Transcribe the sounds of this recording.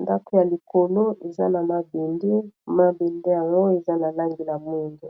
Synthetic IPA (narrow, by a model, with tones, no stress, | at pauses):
nda˦ko˦ja˨li˨ko˨lo˦e˨za˦na˨ma˨be˨nde˦ma˦be˨nde˦ja˨ŋɡo˦e˨za˦na˨la˦ŋɡi˨la˨mo˦ndo˨